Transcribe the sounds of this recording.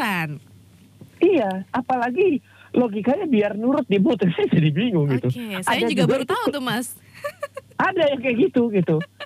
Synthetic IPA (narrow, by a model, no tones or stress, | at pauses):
an | ijaʔapalaɡi | loɡikajabiarnuɾʊt̪̚dibut̪rsisadibiŋʊŋɡit̪uadad͡ʒuɡat̪ɔmas | ʔadajaŋkaɡit̪uɡit̪u